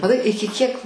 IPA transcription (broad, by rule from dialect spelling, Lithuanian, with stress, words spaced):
mɐˈtɐɪ ˈɪkʲɪ kʲiɛk